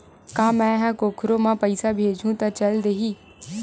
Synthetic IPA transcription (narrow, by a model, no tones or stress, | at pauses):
kãːmɛ̃ɦɛ̃koːkʰɾomãpəɪsabʱeːd͡ʒʱũt̪at͡ʃɐld̪eːɦiː